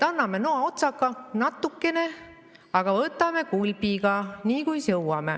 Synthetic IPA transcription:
t̪ɑnːɑme̞noɑo̞t̪sɑkːˑɑnɑt̪ːˑukːe̞ne̞ | ɑɡ̥ɑvɤt̪ːˑɑme̞kulʲbiɡ̥ɑniːkujsɤwwɑme̞̰

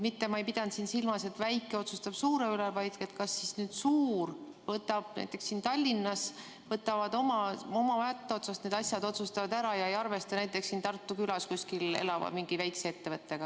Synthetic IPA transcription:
mit̪ːe̞mɑejpid̪̥ɑnt̪siːnsilmɑse̞t̪væjkːˑeo̞t̪sust̪ɑb̥suːɾe̞ylevɑjd̪̥et̪kɑsːisnyːd̪̥suːr | vɤt̪ːˑɑb̥næ̰jt̪ːˑe̞ksːiːnt̪ɑlʲːinːɑs | vɤt̪ːˑɑvɑd̪o̞mɑo̞mɑvɑjɑt̪ːˑeo̞t̪sɑst̪ne̞d̪ɑsjɑd̪o̞t̪sust̪ɑvɑd̪æɾɑjɑe̞jɑrve̞st̪ɑnæjt̪ːˑe̞ksːiːnt̪ɑrt̪ːˑukylɑskusʲkilḛlɑvɑ̰miŋɡ̥ivæjkseet̪ːe̞vɤt̪ːe̞ɡ̥ɑ

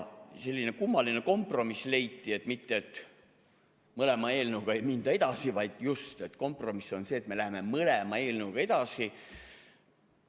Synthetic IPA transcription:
se̞lːine̞kumːɑline̞ko̞mpro̞misle̞jt̪ːˑie̞t̪ˑmit̪ːeet̪ | mɤle̞mɑe̞ːlnuwɡ̥ɑe̞jmind̪̥ɑe̞d̪̥ɑsivɑjd̪̥just̪e̞t̪ko̞mpro̞misːo̞nseːt̪me̞læɦeme̞mɤlemɑe̞ːlnuɡ̥ɑe̞d̪̥ɑsi

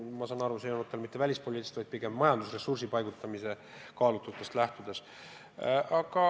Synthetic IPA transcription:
mɑsɑːnɑɾuseunmot̪ːˑelmit̪ːˑevælʲispolʲit̪ːi̥st̪vɑjd̪̥̚piɡ̥e̞mmɑjɑnd̪usre̞sursipɑjɡ̥ut̪ːˑɑmise̞ | kɑːlut̪ːˑut̪ːˑe̞st̪læht̪ud̪̥e̞s | ʔɑɡ̥ɑ

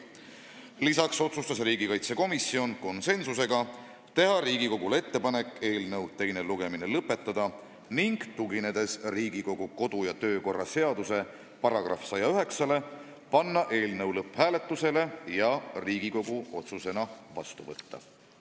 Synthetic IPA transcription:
lisɑkso̞t̪sust̪ɑs̬riːɡikɑjt̪se̞ko̞misio̞nko̞nse̞nsuse̞ɡ̥ɑ | t̪e̞ɦɑɾiːɡiko̞ɡulee̞t̪ːe̞pɑne̞kːˑe̞ːlnɤwt̪e̞jne̞luɡ̥e̞minelɤpːe̞t̪ˑːɑd̪̥ɑ | niŋɡ̥t̪uɡine̞d̪̥e̞sriːɡiko̞ɡ̥uko̞d̪̥ujɑt̪ø̞ːko̞rːɑse̞ɑd̪̥use̞ | pɑɾɑɡ̥rɑ̰fsɑjɑyɦe̞ksɑle̞ | pɑnːɑʔe̞ːlnɤwlɤpːhæːle̞t̪ːˑuse̞le̞jɑriːɡ̥iko̞ɡuo̞t̪suse̞nɑvɑ̰st̪uvɤt̪ːɑ̰

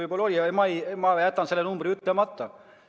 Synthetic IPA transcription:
ɯjpolːo̞lʲiɑemɑjmɑjæt̪ːˑɑnse̞lːenumbriyt̪ːlemɑt̪ːˑɑ

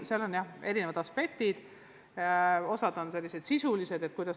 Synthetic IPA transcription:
seɑlo̞njɑhe̞ɾinevɑd̪̥ɑspe̞kt̪id̪̥ | o̞sɑd̪̥o̞nse̞lːise̞d̪̥sisulise̞d̪et̪̚kujd̪̥ɑs

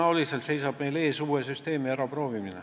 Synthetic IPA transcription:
ɑolʲiselt̪se̞jsɑb̥me̞jle̞ːsuːesyst̪e̞ːmiæɾɑpro̞ːviminḛ

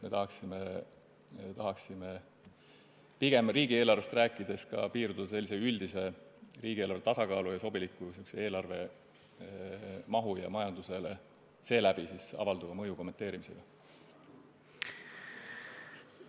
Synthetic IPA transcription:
me̞t̪ɑɦɑksime | t̪ɑɦɑksime̞ | piɡ̥e̞mriːɡ̥ieːlɑrve̞st̪ræːkːˑid̪̥e̞skɑ̰piːɾd̪̥ud̪̥ɑse̞lːise̞yld̪̥ise̞riːɡielɑrvet̪ɑsɑkɑːlujɑso̞bilikːˑusyksee̞ːlɑrve̞ | mɑɦujɑ̰mɑjɑnd̪̥use̞le | se̞ːlæb̥isisɑ̰vɑld̪uvɑmɤjuko̞mːent̪ːˑe̞ːɾimise̞ɡ̥ɑ

